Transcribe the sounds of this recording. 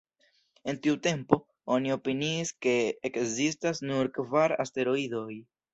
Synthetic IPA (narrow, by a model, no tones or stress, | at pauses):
e̞ntiute̞mpo̞ | o̞nio̞piniːske̞ːkzistasnuɾkvaɾa̰ste̞ɾo̞ido̞j